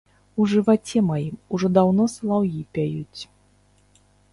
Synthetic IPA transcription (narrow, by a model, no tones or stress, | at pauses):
uʐɨvat͡sʲɛmajimuʐɔd̪awnɔslˠawjipʲajut͡sʲ